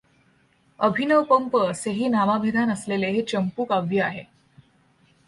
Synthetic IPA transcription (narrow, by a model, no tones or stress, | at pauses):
əbʱinəʋpəmpəseɦiːnamabʱed̪ʱanəsleleɦet͡ɕəmpuːkaʋjəaɦe